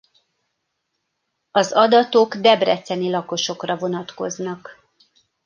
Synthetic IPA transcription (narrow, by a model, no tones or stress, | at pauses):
ɒzɒd̪ɒt̪o̞ɡd̪ɛbrɛt̪sɛnilɒko̞ʃo̞krɒvo̞nɒt̪ko̞znɒk